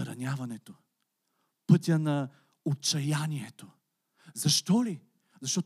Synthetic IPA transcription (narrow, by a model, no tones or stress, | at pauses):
ɾɐnʲavɐnɛt̪o | pɤt̪ʲənɐ | ot͡ʃɐjanʲiɛt̪o | zɐʃt̪ɔli | zɐʃt̪ɔt̪